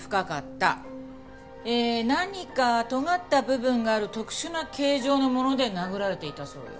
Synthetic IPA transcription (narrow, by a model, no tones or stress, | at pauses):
ɸɯ̟̥kakat̪ːa̰ | eːnaɲ̟ikat̪o̞ŋat̪ːabɯ̟bɯ̟̃ŋɡaːɾɯ̟t̪o̞kɯ̟̥ɕɨnakʰe̞ːʑo̞ːno̞mo̞no̞d̪e̞naɡɯ̟ɾaɾe̞t̪e̞it̪aso̞̰ːjo̰